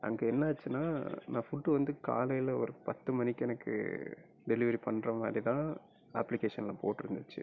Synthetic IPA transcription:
ʔɐ̰ŋɡeɛnːɐːt͡ʃːɯnːa̰ːnãːfʊʈːɯʋɐnd̪ɯka̰ːlɐjɪlɐɔ̰ɾɯpɐt̪ːɯmɐnɪkːɛnɐkːɯ̰ | ɖɛlɪʋɐɾipɐɳːɾɐmaːd̪ɾit̪ãː | ɐpːlɪkeːʂɐnlãːpoːʈːɯɾɯnd̪ɯt͡ʃːɯ̰

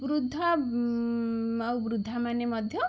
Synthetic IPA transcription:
bɾud̪ʱːa | awbɾud̪ʱːamanemʌd̪ʱjɔ

